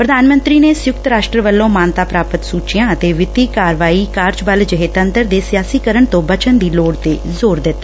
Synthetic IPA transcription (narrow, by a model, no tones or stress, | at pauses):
pɾəd̪aːnmə̃nt̪ɾiːneːsjʊkt̪ɾaːʃʈɾəʋəlːõːmaːnt̪aːpɾaːpət̪suːt͡ʃijãːət̪eːʋɪt̪iːkaːɾʋaːiːkaːɾd͡ʒbəld͡ʒɪɦeːt̪ə̃nt̪əɾd̪eːsɪjaːsiːkəɾəɳt̪õːbət͡ʃənd̪iːloːɽt̪eːzoːɾd̪ɪt̪ːaː